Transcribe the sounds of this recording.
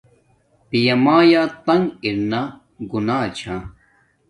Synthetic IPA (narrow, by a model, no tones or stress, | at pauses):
pijɐmaːjaːt̪ɐŋɡiɾna | ɡunaːt͡ɕʰã